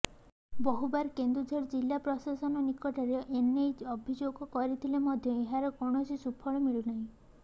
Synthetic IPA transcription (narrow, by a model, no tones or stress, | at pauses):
bɔɦubaɾkend̪ɾud͡ʒʱeɾd͡ʒilːapɾɔsasɔnɔnikɔʈaɾeʔenejɔbʱid͡ʒoɡɔkɔɾit̪ʰilemɔd̪ʱjɔeɦaɾɔkɔɽ̃ɔsisupʰɔɭɔmiɭunaɦĩ